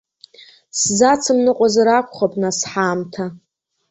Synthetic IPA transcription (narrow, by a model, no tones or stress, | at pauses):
szat͡sʰɨmnɨqʷʼazaɾakʷʰʼχapʼnasħamtʰa